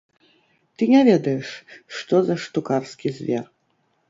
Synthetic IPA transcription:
t̪ɨnʲɛvʲɛd̪ɐjɛʂʂt̪ɔzɐʂt̪ukarskʲizʲvʲɛ̰r

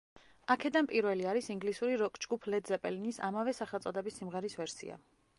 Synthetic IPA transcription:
akʰɛd̪anpʼiɾvɛliaɾisiŋɡlisuɾiɾɔkʰd͡ʒɡupʰlɛd̪zɛpʼɛlinisa̰mavɛsaχɛlˠt̪sʼɔd̪ɛbisːimʁɛɾisvɛɾsḭa̰

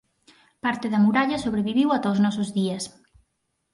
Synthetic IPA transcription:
paɾt̪ɪðɐmuɾaʎɐsoβɾeβiβiwat̪awznɔsʊzðiɐs

